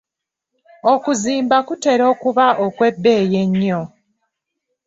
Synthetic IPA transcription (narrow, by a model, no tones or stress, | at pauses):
okuziːmbakute̞ɾo̞ːkuβaʔokwe̞bːe̞ːjeɲːo